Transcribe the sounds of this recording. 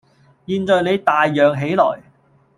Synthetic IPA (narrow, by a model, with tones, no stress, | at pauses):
jiː˧nt͡sɔː˨˧jne˨˧jt̪aː˨jːœː˨ŋɦe˨˥jlɔ̰ː˨˩j